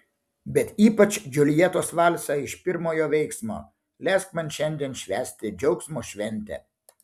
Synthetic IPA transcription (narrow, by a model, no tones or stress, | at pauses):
bʲɛt̪iːpɐt͡ʃd͡ʒʲʊlʲɪjɛt̪oːsʋɑlʲsʲɐɪʃpʲɪɾmoːjoːʋʲɛɪksmo̰ː | lʲɛskmɐnʃʲɛnʲd̪ʲiɛnʃʲʋʲæːsʲt̪ʲɪd͡ʒʲɛʊksmoːʃʲʋʲɛnʲt̪ʲɛ̰ː